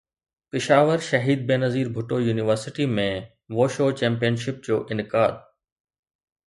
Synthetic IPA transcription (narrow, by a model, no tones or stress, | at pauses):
pɪʃaːʋəɾʃɐɦiːd̪̚beːnəziːɾbʱʊʈojuːnɪʋəɾsɪʈimẽ | ʋoːʃoːt͡ɕɛ̃ːmpijənʃɪp̚d͡ʑoːʔɪnɪkaːd̪